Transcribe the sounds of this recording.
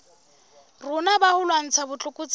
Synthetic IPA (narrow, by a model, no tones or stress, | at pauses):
rʊnabahʊlwan̩t͡sʰabʊt͡ɬʼʊkʼʊt͡sʼ